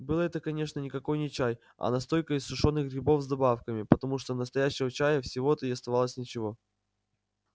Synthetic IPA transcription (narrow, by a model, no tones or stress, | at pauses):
bɨlˠəɛt̪əkɐnʲe̞ʂnənʲɪkɐko̞jnʲɪt͡ɕæj | ɐ̰nɐst̪o̞lʲkəɪsːʊʂo̞nːɨxɡɾʲɪbo̞vzd̪ɐbafkəmʲɪpət̪ɐmuʂt̪onəst̪ɐjæɕːɪvət͡ɕæjəfsʲɪvoɛt̪əɪɐst̪ɐvɑlˠəsʲnʲɪt͡ɕɪvo̞